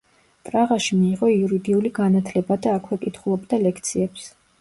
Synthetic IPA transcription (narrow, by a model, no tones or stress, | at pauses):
pʼɾaʁaʃimiːʁɔiuɾid̪iuliɡanat̪ʰlɛbad̪aːkʰwɛkʼit̪ʰχulˠɔbd̪alɛkʰt̪sʰiɛps